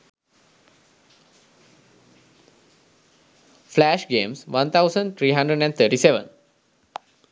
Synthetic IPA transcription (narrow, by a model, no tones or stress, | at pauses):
flæʃɡẽːmsʋãnt̪ʰaʊsə̃ɳɖt̪ʰɾiːɦãɳɖɾəɖɛ̃ɖt̪ʰəːʈiːseʋə̰̃n